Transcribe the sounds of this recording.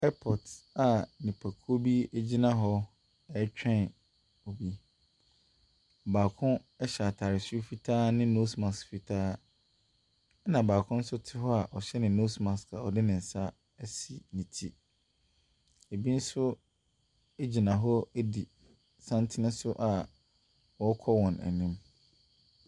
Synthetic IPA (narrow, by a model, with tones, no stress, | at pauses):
ɛ˦pʰɔ˨ta˨nĩ˨pʰæ˨kʰo˦bi˦e˦d͡ʑi˦nã˦ɦɔ˦ | ɛ˨˦t͡ɕᶣɛ̃˦˨n | o˨bi˦˨ | baː˨kʰʊ̃˦ | ɛ˦ɕɛ˨tʰaː˨ɾɪ˨su˦fi˦tʰaː˦nɪ̃˦no˦sma˨sfi˨tʰaː˦ | nã˨baː˨kʰʊ̃˦n̩˦sʊ˦tʰɪ˦ɦɔ˦a˨ʔɔ˨ɕɛ˦nɪ̃˨no˦smã˨sa˨ɔ˨dɪ˦nɪ̃˨n̩˨sa˦ | æ˦si˨nĩ˨tʰḭ˦ | e˨bi˦n̩˦sʊ˦ | e˦d͡ʑi˨nã˨ɦɔ˦æ˦di˨ | sã˦ntʰɪ˦nɪ̃˦sʊ˦ʔa˨ | wɔ˨˦kʰɔ˦wɔ̃˨næ̰˨nĩ˦m